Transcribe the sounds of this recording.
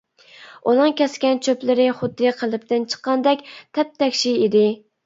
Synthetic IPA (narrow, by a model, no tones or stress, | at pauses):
unɨŋkʲɛskʲɛnt͡ʃʰøplɪɾɪχʊd̪ːɨqʰəlˠɨp̚t̪ɪnt͡ʃʰə̥qːɑnd̪ɛkʲt̪ʰɛp̚t̪ʰɛkʲʃiid̪ɪ